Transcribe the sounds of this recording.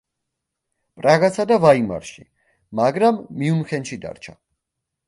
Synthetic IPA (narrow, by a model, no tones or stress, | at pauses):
pʼɾaɡasad̪avaima̰ɾʃi | maɡɾamːiumχɛnʃid̪a̰ɾt͡ʃʰa